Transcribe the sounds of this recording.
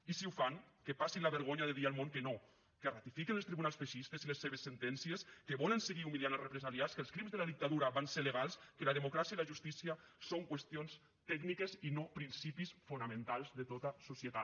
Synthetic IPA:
isiwfaŋkepasinlaβəɾɣoɲaðeðialˠmoŋkeno | kerat̪ifikenəlˠst̪ɾiβunalsfeʃist̪ezilesːeβesːent̪ɛnsieskeβɔlənseɣiumilianalˠrepɾezaliaskəlˠskɾimzðəlaðik̚t̪aðuɾaβanseɾleɣalˠskəlaðemukɾasiailaʒust̪isiasoŋkwest̪ions | t̪ɛɡnikezinopɾinsipisfunamẽnt̪alˠzðet̪ot̪asusjet̪a

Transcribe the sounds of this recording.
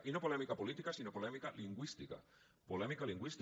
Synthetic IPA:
ʔinopolɛmikapolit̪ikasinopolɛmikaliŋɡwist̪ika̰ | polɛmikaliŋɡwist̪

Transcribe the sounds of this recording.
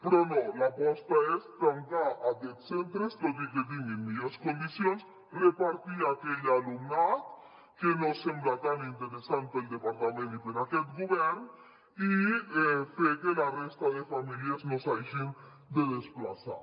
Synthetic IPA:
pɾɔnolapɔst̪aest̪ank̪aʔaket̪sent̪ɾestokiket̪̬iŋemːiaskond̪isjons | repaɾt̪iakeʎaluŋnat̪̚ | kenosemblat̪anint̪eɾesant̪̚peld̪epaɾt̪amẽnpeɾakɛt̪ɡuβɛɾn | i | fekelarest̪aðefamiljeznosajʒin | d̪eðesplasa̰

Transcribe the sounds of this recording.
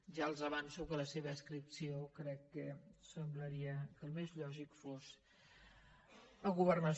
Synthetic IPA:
ʒaəlˠzəβansuwkələseβəːskɾipsiokɾɛkːɛsəmbləɾiəkəlˠmezʎɔʒikfus | əɣuβərnəs

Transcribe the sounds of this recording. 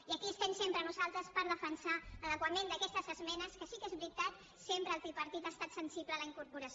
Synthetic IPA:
iəkiəst̪emsempɾənuzalˠt̪ɾəspəɾðəfənsaəðəkwəmend̪əkɛst̪əzəzmɛnəskəsikezβɾit̪at̪ | sempɾəːlˠt̪ipəɾt̪it̪aːst̪at̪sənsiβləːləiŋkuɾpuɾəs

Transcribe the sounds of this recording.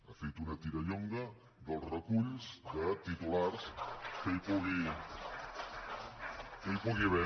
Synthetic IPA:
afejt̪unɐt̪iɾɐʎoŋɡɐ | d̪əlˠsrəkuʎzd̪ət̪it̪ulaɾsfejpoɣe | fejpoɣeβɛ

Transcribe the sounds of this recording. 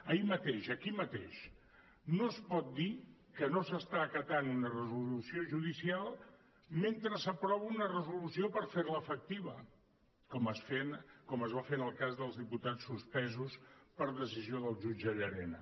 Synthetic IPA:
əimət̪eʃəkimət̪eʃ | nospɔt̪̚d̪ikənosəst̪aːkət̪anunərəzulusioʒuðisialˠ | ment̪ɾəsəpɾɔβəunərəzulusiopəɾfeɾləːfək̚t̪iβə | kɔməsfenkɔməzβafenəlˠkazðəlˠzðiput̪at͡sːuspɛzuspəɾðəsizioðəlˠʒud͡ʒəʎəɾɛnə̰

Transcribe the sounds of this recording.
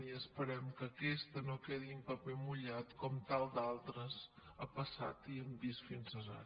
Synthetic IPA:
iəspəɾɛmkəkɛst̪ənokɛðiumpəpemuʎat̪kɔmt̪alˠd̪alˠt̪ɾəzəpəsa̰t̪iəmbist̪finzəza̰

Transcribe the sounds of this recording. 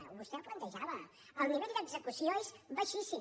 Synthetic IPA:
uβust̪ɛplənt̪əʒaβə | əlˠniβɛʎd̪əɡzəkusionzbəʃisi

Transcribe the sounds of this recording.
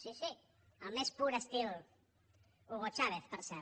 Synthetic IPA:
sisi | amespuɾast̪i | oɣot͡ʃaβeθpeɾsɛ

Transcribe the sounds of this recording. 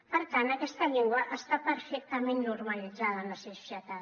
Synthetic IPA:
pəɾkanakɛst̪əʎiŋɡwaʔəst̪apəɾfek̚t̪amenːuɾmalid͡zaðanəsesʃjat̪a

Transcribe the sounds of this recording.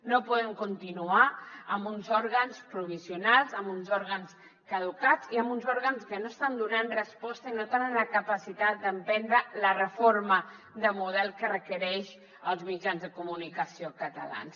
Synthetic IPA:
nopɔðɛŋkunt̪inuaəmbunzɔɾɣənspɾuβisiunalˠzəmbunzɔɾɣəns | kəðukat͡siəmbunzɔɾɣənskənoəst̪and̪unanrəspɔst̪əinot̪enənləkəpəsit̪at̪̚d̪əmpɛnd̪ɾələrəformə | d̪əmuð̞ɛlˠkərəkəɾɛʃ | əlˠzmid͡ʒanzðəkumunikəsiokət̪əla̰ns

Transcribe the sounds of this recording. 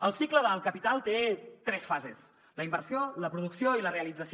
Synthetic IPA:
əlˠsikləðəlˠkəpit̪alˠt̪et̪ɾɛsfazes | ləimbəɾsioləpɾuðuksioiləreəlid͡zəs

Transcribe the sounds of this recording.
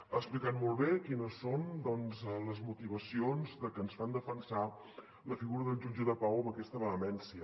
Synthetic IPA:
əksplikanmolˠβekinəsːond̪ɔnzləzmut̪iβ̞əsionzd̪əkənsfand̪əfənsa | ləfiɣuɾəðəlˠʒud͡ʒəðəpawəməkɛst̪əβəːmɛnsiə

